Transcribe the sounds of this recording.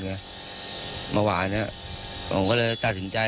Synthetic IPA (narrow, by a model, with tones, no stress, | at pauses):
ɯ˧ɐ | mʔaː˧waː˨˧˩ni˦˥˩ɐ | ma̰˧˩ŋkɔː˥˩lɤː˧jt̪a˨˩t̪̚si˨˦nt͡ɕa˧